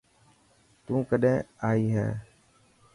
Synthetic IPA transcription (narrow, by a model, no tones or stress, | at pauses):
t̪ũːkəɗẽːaːiːɦɛ̰ː